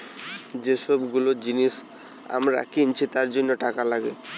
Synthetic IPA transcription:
d͡ʑeʃɔbɡulod͡ʑiniʃ | a̰mɾa̰kint͡ɕʰit̪aɾd͡ʑonːoʈakalaɡe

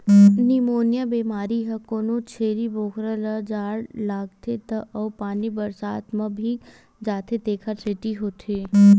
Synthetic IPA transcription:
nimoːnjabeːmaːɾiɦɐkoːnot͡ʃʰeːɾiboːkɾəlɐd͡ʒaːɽlaːɡ̚t̪ʰet̪ɐʔɐːpaːnibəɾsaːt̪mɐ̃bʱi | d͡ʒaːt̪ʰet̪eːkʰasʰeʈiɦoːt̪ʰe

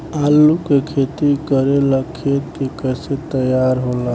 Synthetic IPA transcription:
aːlːukekʰeːt̪ikəɾelakʰːeːt̪kekɛːset̪əjaːɾɦoːla

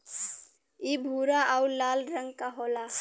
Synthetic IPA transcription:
ibʱuɾaʔawlaːlɾəŋɡkaɦola

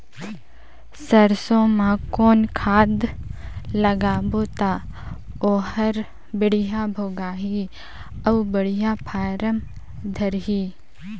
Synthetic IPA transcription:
səɾsõmãkoːnkʰaːd̪ | lɐɡaːboːt̪a | oːɦəɾ | bɪɽɪjaːbʱoːɡaːɦi | ɐʋbəɽijaːpʰaːɾəm | d̪ʱɐɾɦiː

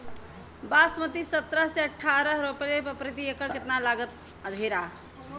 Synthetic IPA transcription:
basmət̪isət̪ɾəɦseəʈʰːaɾəɦɾopɾepəpɾit̪̬iekəɾkɪt̪nalaɡət̪ | əd̪ʱeɾa

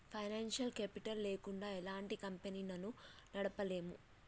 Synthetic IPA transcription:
pʰɐjnaːnʂɐlkeːpiʈɐlːe̞ːkuɳɖaːɛlaːɳʈikɐmpenilɐnunɐɽɐpɐle̞ːmṵ

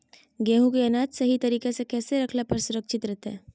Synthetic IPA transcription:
ɡɛːɦũkeɐnaːd͡ʒ̪sɐɦit̪ɐɾiːkesekɛːseɾɐkʰlapɐɾsʊɾəkʃɪt̪ɾɛɦt̪ɦɛː

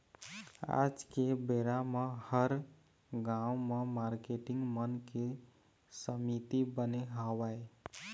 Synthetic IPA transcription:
a̰d͡ʒkebeɾamehəɾ | ɡawmemaɾkeʈiŋɡmənke | səmit̪ibəneɦəwae

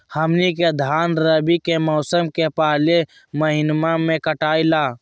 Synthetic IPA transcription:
həmniked̪ʱaːnɾəbikemɔʊsəmkepaːle | məɦɪnmamẽkəʈaːilaː

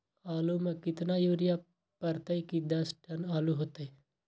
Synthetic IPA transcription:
aːluːmə̃kɪt̪naːjoːɾɪjaː | pəɾt̪aikid̪ɐsʈənaːluɦoːt̪ee

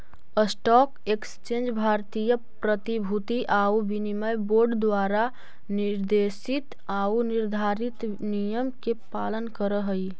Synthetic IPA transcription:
əsʈɔːkekst͡ʃẽːnd͡ʒbʱaːɾt̪ijə | pɾət̪ibʱut̪iʔaːuʋinimajboːɾɖd̪waːɾa | nɪɾd̪eːʃɪt̪ | aːunɪɾd̪ʱaːɾɪt̪ | nijəmkepaːlənkəɾəɦəi

